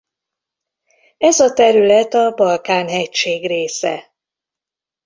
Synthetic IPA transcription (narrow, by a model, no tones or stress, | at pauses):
ɛzɒt̪ɛɾylɛt̪ɒbɒlkaːnɦɛcʃeːɡreːsɛ